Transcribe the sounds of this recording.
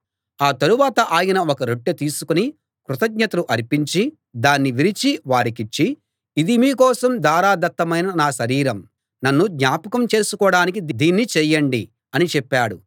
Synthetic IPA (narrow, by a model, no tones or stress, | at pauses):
aːt̪ɐɾuʋaːt̪ɐʔaːjɐnɐokɐɾoʈːɐt̪iːsukuni | kɾut̪ɐɡɲɐt̪ɐluʔɐɾipiɲt͡ʃi | d̪aːnːiʋiɾit͡ʃiʋaːɽikit͡ʃːiː | d̪imiːkɔːsɐmd̪aːɾaːd̪ɐt̪ːɐmɐjnɐnaːʃɐɾiːɾɐm | nɐnːud̪ɲaːpɐkɐmt͡ʃe̞ːsukɔːɽaːnik̬id̪d̪iːnːit͡ʃɛːjɐɳɖi | ɐnit͡ʃɛpːaːɽu